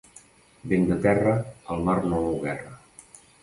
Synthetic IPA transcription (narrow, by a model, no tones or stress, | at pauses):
bend̪ət̪ɛrəəlˠmarnoowɣɛrə